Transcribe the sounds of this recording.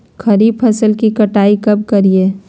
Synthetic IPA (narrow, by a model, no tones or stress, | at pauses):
kʰɐɾiːbpʰɐsəlkikɐʈaːikɐb̚kɐɾieː